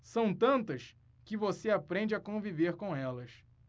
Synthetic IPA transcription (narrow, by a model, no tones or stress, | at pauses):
sɐ̃w̃t̪ɐ̃nt̪ɐs | kɪvoseapɾẽd͡ʒɪakõviveɾkõw̃ɛlɐs